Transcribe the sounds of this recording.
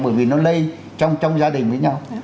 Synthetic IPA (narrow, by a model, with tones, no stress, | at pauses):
ɓəː˧˩jvi˨˩nɔ˨˦lə˧j | t͡ɕɔ˧wŋ͡mt͡ɕɔ˧wŋ͡mzaː˧ɗï˨˩ŋ̟vəː˨˦jɲa˧w